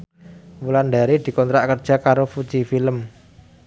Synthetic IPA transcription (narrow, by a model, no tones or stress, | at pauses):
muland̪aɾid̪̥i̤kɔnt̪ɾaʔkərd̥ʒ̥a̤kaɾofu̥t͡ʃifiləm